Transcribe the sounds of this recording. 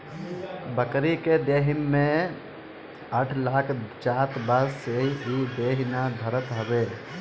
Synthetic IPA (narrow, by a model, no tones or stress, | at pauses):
bəkɾiked̪eɦimːẽ | əʈʰlaːkʰt͡ʃaːt̪bəsseiid̪eːɦinad̪ʱəɾət̪ɦəbe